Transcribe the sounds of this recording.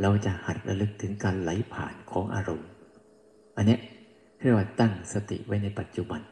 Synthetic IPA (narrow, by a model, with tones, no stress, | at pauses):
ɾa˧wt͡ɕa˨˩ʔha˨˩t̪̚ɾa̰˧lɯ˦˥k̚t̪ʰɯ˩˦ŋkaː˧nla˩˦jpʰa̰ː˨˩nkʰɔː˩˦ŋʔa̰ː˧ɾo˧m | ʔa˧nːi˦˥ | k̪ʰɯ˥˩˨waː˧˩t̪a˥˩ŋsa˧t̪ḭ˨˩ʔwa˦˥˩jna˧jpa˨˩t̪̚t͡ɕu˨˧ba˧n